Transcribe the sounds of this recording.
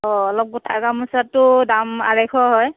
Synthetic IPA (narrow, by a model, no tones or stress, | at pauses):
ɔɔlɔp̚ɡutʰakamusatːʊdama̰ɹajkʰɔɦɔj